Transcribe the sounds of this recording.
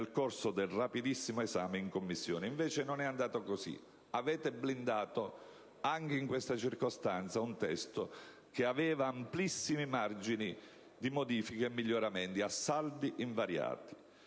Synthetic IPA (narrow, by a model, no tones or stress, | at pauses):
lkorsod̪elrapid̪isːimoezaːmeiŋkomːisːjoːneiɱveːt͡ʃenonɛand̪aːt̪okosḭ | avɛːt̪ɪblind̪aːt̪o | aŋk̟eiŋkwest̪at͡ʃirkost̪ant̪saunt̪ɛst̪o | keavɛːvaːmplisːimimard͡ʒini | d̪imod̪iːfikeemːiʎːoɾament̪iasːald̪iʔiɱvaɾja̰ːt̪i̥